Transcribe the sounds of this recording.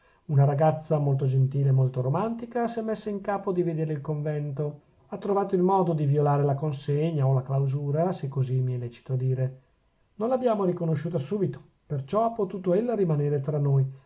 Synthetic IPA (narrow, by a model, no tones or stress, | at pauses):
unaɾaɡat̪sːamolt̪od͡ʒent̪iːlemolt̪oɾomant̪ikasɛmːesːaiŋkaːpod̪ived̪eːɾeilkoɱvɛnt̪o | at̪ːɾovaːt̪oilmɔːd̪od̪iviolaːɾelakonseɲːaolaklawzuːɾasekːozimiɛlːɛt͡ʃi̥t̪od̪iːɾe | nonlabjaːmoɾikonoʃːuːt̪̬asuːbit̪o̥ | pert͡ʃɔapːot̪uːt̪oelːoɾimaneːɾet̪ɾanːoj